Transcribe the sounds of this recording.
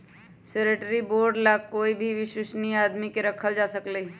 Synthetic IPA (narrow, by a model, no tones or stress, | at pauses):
seɾəʈəɾiboːɾɖlakoːibʱiʋɪʃʊʃniaːd̪mikeɾɐkʰəld͡ʒaːsəkle